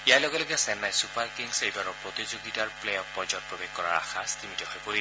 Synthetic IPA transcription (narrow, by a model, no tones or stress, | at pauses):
ijajlɔɡɛlɔɡɛsɛnːajsupaɹkiŋɡsejbaɹɔpɹot̪izoɡitaɹplejɔfɔd͡ʒɔt̚pɹɔbexkɔɹa̰ɹa̰xast̪imitihɔjkoɹi